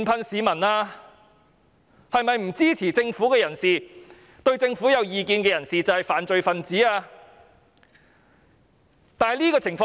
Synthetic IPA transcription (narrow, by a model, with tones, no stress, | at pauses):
npʰɐ˧nsiː˨˧mɐ˨˩naː˧ | hɐ˨jmɐ˨jm̩˨˩t͡siː˥t͡sʰiː˨˩t͡sɪ˧ŋfuː˨˥kɛː˧jɐ˨˩nsiː˨ | t̪ɵ˧ɥt͡sɪ˧ŋfuː˨˥jɐ˨˧wjiː˨˧kiː˧nkɛː˧jɐ˨˩nsiː˨t͡sɐ˨whɐ˨jfaː˨nt͡sɵ˨˧ɥfɐ˨nt͡siː˨˥aː˧ | t̪aː˨jliː˥kɔː˧t͡sʰɪ˨˩ŋfɔː˧